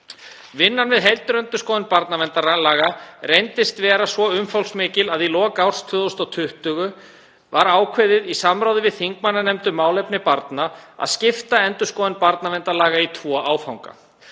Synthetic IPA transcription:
vɪnːanvɪðɦɛjlt̪ʏɾœnt̪ʏskɔːðɪnpaɾt̪navɛnt̪aalaːɣarejnt̪ɪst̪vɛːɾasvɔʏmfowlsmɪːcɪlaðilɔːkawr̥st̪ʰvʏːðost̪ɔt̪ʰʏht̪ʏɣʏ | vaɾaːwkʰvɛðɪðisamɾaːwðɪvɪðθiŋkmanːanɛmt̪ʏmaːwlejpnɪpaɾt̪naa̰ðscɪft̪aɛnt̪ʏ̥skɔːðɪnpaɾt̪navɛnt̪alaːɣait̪ʰvɔːʔaːwfawŋka̰

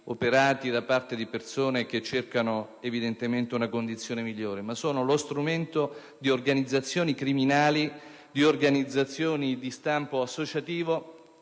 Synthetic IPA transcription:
opeɾaːt̪id̪apːart̪ed̪ipersoːnek̟et͡ʃːerkano | evid̪ent̪ement̪eunakond̪it̪sːjoːnemiʎːoːɾemasːoːnolost̪ɾument̪o | d̪iorɡanid̪zːat̪sːjoːnikɾiminaːli | d̪iorɡanid̪zːat̪sːjoːnid̪ist̪ampoasːot͡ʃat̪iːvo

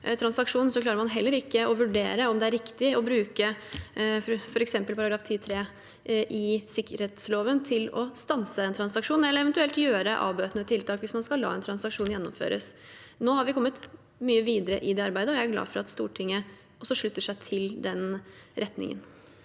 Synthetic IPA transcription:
t̪ʰɾɑnsɑkʂuːnn̩sɔklɑːɾəɾmɑnɦɛlːəɾɪkːəɔʋʉɖḛːɾəɔmd̪ɛæɾɪkt̪ɪɔbɾʉːkə | fɔɾɛksɛmpəlpʰɑɾɑɡɾɑːft̪ʰiːt̪ʰɾeː | ʔɪsɪkːəɾheːt̪sloːʋənt̪ʰɪlɔ̰st̪ɑnsəɛnt̪ʰɾɑnsɑkʂuːnɛlːəɾɛʋɛnt̪ʉɛlt̪jøːɾəʔɑ̰ːbøːt̪ənət̪ʰɪlt̪ʰɑːkʋɪsmɑnskɑlːɑ̰ːɛnt̪ʰɾɑnsɑkʂuːnjɛnːɔmfø̰ːɾə̰s | noːhɑɾʋɪkʰɔmːət̪ | myːəʋiːd̪əɾəʔɪd̪ɛːɑɾbæɪd̪əɔjæɪæɡlɑ̰ːfɔɾɑ̰t̪st̪uːʈʰɪŋːə | ɔsːɔʂɭʉt̪ːəʂæɪt̪ʰɪld̪ɛnɾɛt̪nɪ̰ŋə̰n

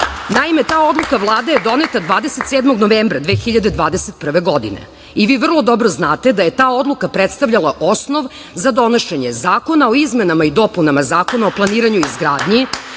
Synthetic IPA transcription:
naime̞t̪aːo̞d̪lˠukavlˠaːd̪ajed̪o̞ne̞t̪ad̪ʋaːd̪ese̞t̪seːd̪moɡno̞ʋeːmbɾad̪ʋeːxiʎad̪e̞d̪ʋaːd̪eset̪̚pr̩ʋe̞ɡo̞d̪ḭnḛ | iʋiːʋr̩lˠo̞d̪obɾoznaːt̪e̞d̪aje̞t̪aːo̞d̪lukapɾet̪st̪avʎalˠaʔo̞sno̞ʋ | zad̪o̞noʃe̞ɲezaːko̞nao̞izmenamaid̪o̞punamazaːkonaoplˠaniːɾaɲuizɡɾaːd̪ɲi

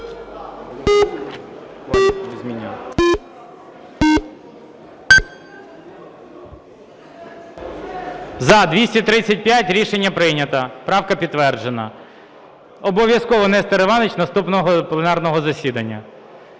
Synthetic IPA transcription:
zʲmʲinʲɪ | zɐd̪ʋʲisʲtʲɐt̪ɾɪt͡sʲːɐt̚ʲpʲjatʲɾʲiʃenʲːɐpɾɪnʲɐt̪ɐpɾɑwkɐpʲit̪ːʋɛrd͡ʒenɐ̰ | ɔbɔʋʲjɐskɔʋɔnɛst̪eɾeʋɑnet͡ʃnɐst̪upnɔɦɔplˠenɑrnɔɦɔzɐsʲid̪ɐnʲːɐ̰

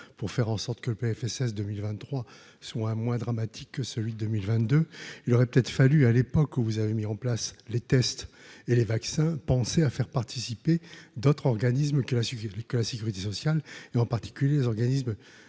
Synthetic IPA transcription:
puʁfɛʁɑ̃sɔʁt̪kələpeɛfɛsɛs̬d̪əmilvɛ̃t̪ːχwa | swaɛ̃mwɛ̃d̪ʁamat̪ʰikːəsəlɥid̪əd̪əmilvɛ̃t̪̚d̪øilɔʁɛpə̥t̪ɛt̪χfalyalepɔkuvuzavemiɑ̃plaslet̪ɛst̪elevaksɛ̃pɑ̃seafɛʁpaʁt̪ʰisiped̪ot̪χɔʁɡanis̬mkəlakəlasekʲyʁit̪esɔsjaleɑ̃paʁt̪i̥kʲyljelezɔʁɡanism

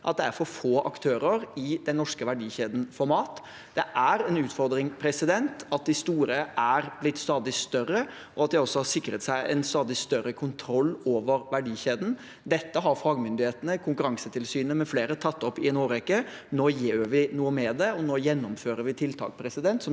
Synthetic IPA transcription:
ʔɑ̰t̪̚d̪ɛæɾfɔɾfoːʔɑ̰kt̪ʰøːɾəɾɪd̪ɛnːɔʂkəʋæɖiːçeːd̪n̩fɔɾmɑːt̪ | d̪̥ɛʔæɾɛnʉːt̪fɔɾd̪ɾɪŋpʰɾɛsɪd̪ɛnt̪ɑt̪̚d̪ɪst̪uːɾəʔæɾblɪt̪ːst̪ɑːd̪ɪst̪œrə | ʔɔɑt̪̚d̪æɪɔsːɔhɑʂɪkɾət̪sæɪʔɛnst̪ɑːd̪ɪst̪œɾəkʰʊnt̪ʰɾɔlːoːʋəɾʋæɖiːçeːd̪n̩ | d̪ɛt̪ːəɦɑɾfɑːɡmʏnd̪ɪheːt̪ənəkʰʊŋkʉɾɑŋsət̪ʰɪlsyːnəmɛfleːɾət̪ʰɑt̪ːɔpːɪɛnoːɾɛkːə | noːjiːʋɪnuːəmɛd̪ɛɔnoːjɛnːɔmføːɾəɾʋɪt̪ʰɪlt̪ʰɑ̰ːkpʰɾɛsɪd̪ɛnt̪sɔ

